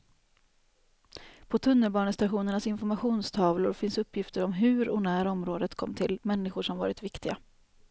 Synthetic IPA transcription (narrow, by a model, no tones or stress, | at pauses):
pʰɔt̪ʰɵnːəlbɑːɳəst̪aɧuːnəɳasɪnfɔɾmaɧuːnst̪ʰɑːvlʊɾfɪnsɵpʰːjɪft̪əɾɔmɦʉ̟ːɾɔnæːɾɔmɾoːd̪ət̪kʰɔ̰mːt̪ʰɪlmɛnːɪɧʊʂɔmvɑːɾɪt̪vɪkt̪ɪɡa